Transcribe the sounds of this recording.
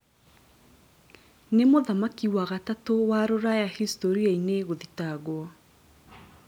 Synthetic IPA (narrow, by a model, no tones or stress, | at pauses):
nemoðamakiwaɣatatowaɾoɾajahistoɾiaineɣoðitaɣwɔ